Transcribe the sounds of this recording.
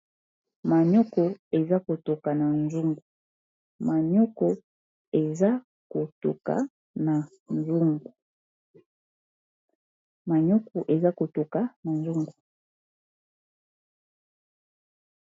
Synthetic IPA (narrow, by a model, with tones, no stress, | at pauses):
ma˨ɲɔ˦kɔ˨e˨za˦ko˨to˨ka˨na˨nzu˦ŋɡu˨ | ma˨ɲɔ˦kɔ˨ | e˨za˦ | ko˨to̰˨ka̰˨ | na˨ | nzu˦ŋɡu˨ | ma˨ɲɔ˦kɔ˨ʔe˨za˦ko˨to˨ka˨na˨nzu˦ŋɡu˨